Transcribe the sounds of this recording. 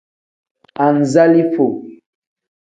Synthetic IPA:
a˨n˨za˦li˦fo˨

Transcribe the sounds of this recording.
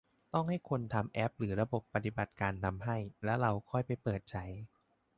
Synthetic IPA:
t̪ɔ˥˩ŋha˥˩jkʰo˧nt̪ʰa˧mʔɛ˦˥p̚ɾɯː˩˦ɾa˧bo˨˩pːa˧t̪i˨˩ba˨˩t̪̚kaː˧nt̪ʰa˧mɦa˥˩jlɛ˦˥wɾa˧wkʰɔ˥˩jpa˧jpɤː˨˩t̪̚t͡ɕʰa˦˥j

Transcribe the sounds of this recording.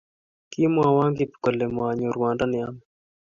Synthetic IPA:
ki˦mwa˨wa˦ŋɡipi̥kɔ˨lɛ˨mwa˨ɲɔ˨ɾuwa˨nda˦nɪ˨a˦mɛ

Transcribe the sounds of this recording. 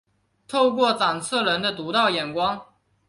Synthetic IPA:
t̪ʰo˥˧ʊkwɔ˥˩t͡sɑ˨˩ŋt͡sʰɤ˥˩lə˧˥nd̪ə˧t̪u˧˥t̪ɑ˥˩ʊjɛ˨˩nkwɑ˥ŋ

